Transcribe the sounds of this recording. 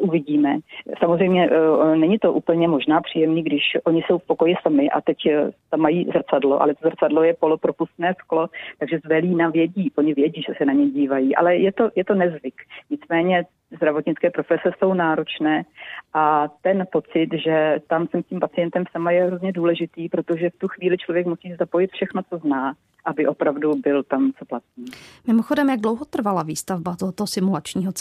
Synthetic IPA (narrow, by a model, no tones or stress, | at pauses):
ʔuvɪɟiːmɛsamozrɛjmɲɛnɛɲɪt̪o̞ʔuːpl̩ɲɛmo̞ʒnaːpr̝̥iːjɛmniːɡdɪʃʔo̞ɲɪso̞wfpo̞ko̞jɪsamɪʔa̰t̪ɛct̪amːajiːzr̩t͡sadlo̞̰ʔa̰lɛt̪ozr̩t͡sadlojɛpo̞lopɾo̞pust̪nɛːsklo̞t̪aɡʒɛzbɛliːnavjɛɟiːʔoɲɪvjɛɟiːʒɛsɛnaɲɛjɟiːvajiːʔa̰lɛjɛt̪o̞jɛt̪o̞nɛzvɪkɲɪt͡smɛːɲɛ | zd̪ɾavoɲɪt͡skɛːpɾofɛsɛso̞wnaːɾo̞t͡ʃnɛːʔat̪ɛnpo̞t͡sɪt̪ʒɛt̪amsɛmscimpat͡sɪjɛnt̪ɛmsamajɛɦɾozɲɛduːlɛʒɪt̪iːpɾot̪oʒɛft̪uxviːlɪt͡ʃlovjɛkmusiːsɛzapo̞jɪt̪fʃɛxno̞t͡so̞znaː | ʔabɪʔo̞pɾavdubɪlt̪amt͡so̞plat̪̚ɲiːmɪmoxo̞dɛmjaɡdlo̞wɦot̪r̩valaviːst̪avbat̪oɦot̪oɦosɪmulat͡ʃɲiːɦo